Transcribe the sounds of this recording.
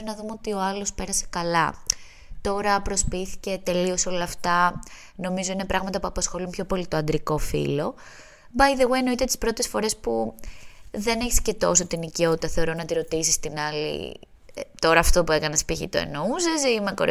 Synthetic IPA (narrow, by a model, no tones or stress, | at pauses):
nɐðumeot̪io̞ɐlo̞spe̞ɾɐse̞̥kɐlɐ | t̪o̞ɾɐpɾo̞spiθi̥ce̞t̪e̞lio̞so̞lɐːft̪ɐ | no̞mizo̞ine̞pɾɐɣmɐt̪ɐpuɐpɐsxo̞lumpço̞polit̪oɐnd̪ɾiko̞fḭlo̞ | bɐjðeweeno̞it̪et̪i̥spɾot̪e̞sfo̞ɾe̞spu | ðe̞neçi̥sce̞t̪o̞sot̪inicio̞t̪i̥t̪ɐθe̞oɾo̞nɐt̪iɾo̞t̪isist̪inɐlḭ | t̪o̞ɾɐːft̪o̞pue̞kɐnespiçḭt̪o̰ḛnosezimeko̰ɾ